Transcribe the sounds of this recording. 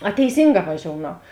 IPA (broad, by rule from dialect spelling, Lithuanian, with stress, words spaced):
ɐ tʲɛɪˈsʲiːŋˌɡɑː ʋɐˈʒʲoːʊnɐʊ